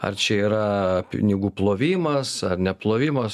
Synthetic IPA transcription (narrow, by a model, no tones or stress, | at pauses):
ɐ̰rt͡ʃʲɛiːɾɐpʲɪ̰nʲɪɡuːplˠoːʋʲiːmɐsɐrnʲɛplˠoːʋʲiːmɐs